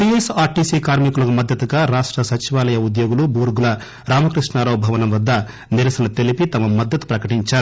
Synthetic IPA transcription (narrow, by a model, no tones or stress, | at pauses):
ʈiesaːɾʈiːsiːkaːɾmikulɐkumɐd̪ʱjɐt̪uɡaːɾaːʂʈɾɐsɐt͡ʃiʋaːlɐjɐud̪jo̞ːɡulubuːɾɡulɐ | ɾaːmɐkɾiʂʈnaːɾɐːbʱɐʋɐnɐmʋɐd̪ːɐ | niɾɐsɐnɐt̪e̞lipit̪ɐmɐmɐd̪ːɐt̪u̥pɾɐkɐʈiɲt͡ʃaːɾu